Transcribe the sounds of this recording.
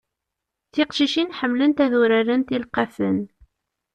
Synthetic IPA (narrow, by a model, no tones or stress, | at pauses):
θɪqʃiʃinħəmːlənt̪æðuɾæɾənt̪ilqɑfən